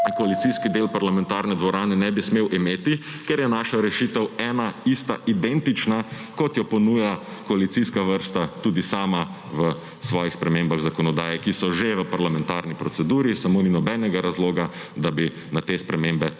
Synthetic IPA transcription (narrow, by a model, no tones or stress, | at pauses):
kɔalit̪siskid̪eːlpaɾlamɛ̃nt̪aɾnɛd̪ʋɔɾaːnɛnɛbismeːwʔimeːt̪i | kɛɾjɛnaːʃaɾɛʃit̪ɛwɛːnaist̪aʔid̪ɛnt̪it͡ʃna | kɔt̪jɔpɔnuːja | kɔalit̪siskaʋəɾst̪at̪uːd̪isaːma | ʋə | sʋɔːjixspɾɛmembaɣzakɔnɔd̪aːjɛkisɔʒeʋəpaɾlamɛ̃nt̪aːɾnipɾɔt̪sɛd̪uːɾisamoːninɔbɛnɛɡaɾazloːɡa | d̪abi | nat̪espɾɛmeːmbɛ